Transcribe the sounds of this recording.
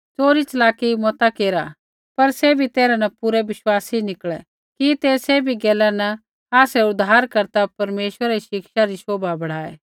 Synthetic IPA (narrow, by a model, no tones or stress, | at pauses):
t͡soːɾit͡ʃɐlaːkimɔt̪akeːɾa | pɐɾsɛbʱit̪eːɾanɐpuɾɛʋɪʃwaːsinɪkɭɛ | kit̪eːseːbʱiɡɛːlɛnɐ | aːsɛʊd̪ʱːaːɾkɐɾt̪apɐɾmeːʃwəɾaɾiʃɪkʃaɾisoːbabɐɽ̤aːḛː